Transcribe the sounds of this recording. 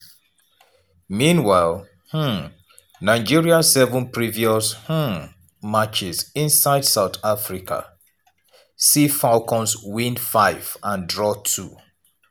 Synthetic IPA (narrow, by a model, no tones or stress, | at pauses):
mĩnwaɪlˠ | h̩ | naɪd͡ʒiɹiasɛvɔ̃npʰɹiviɔsh̩ | mat͡ʃɪsĩnsaɪdsaʊtafɹikʰa̰ | sifalkʰɔ̃nswĩndfaɪvãndɹɔtʰu